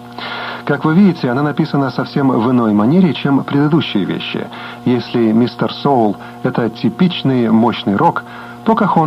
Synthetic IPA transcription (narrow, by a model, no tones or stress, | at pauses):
kakvɨvʲidʲɪtʲɪɐnanɐpʲisənəsɐfsʲe̞mvɨno̞jmɐnʲeɾʲɪːt͡ɕempɾʲɪd̪ɨd̪uɕːɪjə̰vʲḛɕːɪ̰ | jesʲlʲɪmʲist̪ərsolˠ | ɛt̪ətʲɪpʲit͡ɕnɨjmo̞ɕnɨjɾʔo̞k | t̪o̞kakon